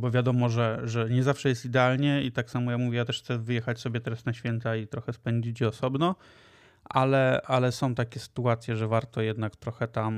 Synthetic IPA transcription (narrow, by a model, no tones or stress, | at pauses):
bɔvʲjad̪ɔmɔʐɛʐɛɲɛzafʂɛjɛst̪id̪ɛalɲɛit̪aksamɔjakmuvʲjɛjat̪ɛʂxt̪sɛvɘjɛxat͡ɕsɔbʲjɛt̪ɛɾasnaɕfʲjɛnt̪ait̪ɾɔxɛspɛɲd͡ʑit͡ɕd͡ʑɛɔsɔbnɔ | ʔalɛalɛsɔ̃w̃t̪akʲɛsɘ̥t̪uat̪sʲjɛʐɛvaɾt̪ɔjɛd̪nakt̪ɾɔxɛt̪am